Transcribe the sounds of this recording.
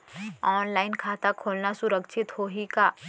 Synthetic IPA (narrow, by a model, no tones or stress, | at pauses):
ɔːnlaːɪnkʰaːt̪akʰoːlnasʊɾəkʃʰɪt̪hoːɦikaː